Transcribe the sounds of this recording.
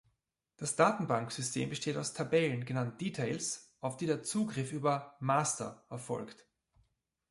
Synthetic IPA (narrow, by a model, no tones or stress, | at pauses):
d̥asd̥aːtn̩baŋkz̥ʏstʰḛːmbəʃteːtaʊstʰabɛlənɡənant̚d̥iːtʰaɪlsʔaʊfd̥iːdeːɐt͡suːɡʁɪfyːbɐmaːstɐ̰ʔɛɐfɔ̰lkt